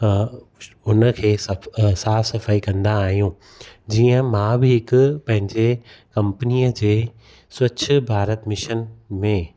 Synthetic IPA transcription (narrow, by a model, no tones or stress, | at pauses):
ʊnə̆kʰeːsɐsaːsɐfaikɐ̃nd̪aːɦijũ | d͡ʑiːə̃mãbɪɦɪkʊpɐ̃ɦɪ̃ɲd͡ʑekɐ̃mpəniːəd͡ʑeː | swɐt͡ɕʰɪ̆bʱaːɾət̪mɪʃənmẽ